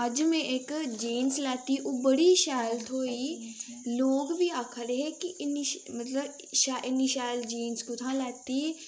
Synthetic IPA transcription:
ɐd͡ʒmẽʔekd͡ʒeːnslaːt̪iʔoːbəɽiʃaːlt̪ʰoːi | loːɡbʱiaːkʰəɾeɦekiʔɪniʃmɐt̪ləb | ʃaʔɪniʃaːld͡ʒeːnskʊt̪ʰãlɛːt̪i

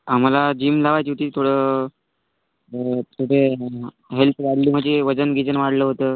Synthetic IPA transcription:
am̤alad͡ʑiːmlaʋajt͡ɕiʈiːt̪ʰoɽəː | t̪ʰoɽe | ɦelpʰʋaɽliːm̤əd͡ʑeʋəd͡zənɡʱit͡sənʋaɽləɦot̪əː

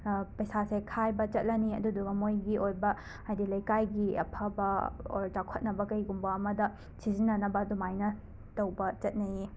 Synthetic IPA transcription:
pɐjsasekʰajbɐt͡ʃɐt̚lɐniɐ̰duduɐmojɡiʔojbɐ | ajdilɐjkajɡiɐ̰pʰɐbɐo̰ɾd͡ʒakʰot̚nɐbɐkɐjɡumbɐːmɐdɐ | sizinːɐnɐbɐdumajnɐ | tɐwbɐt͡ʃɐt̚nɐi

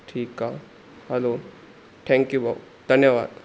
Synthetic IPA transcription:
ʈʰiːka | hɛloː | ʈʰɛ̃ːŋkjuba | d̪̥ʱɐnjəʋa̰ːd̪

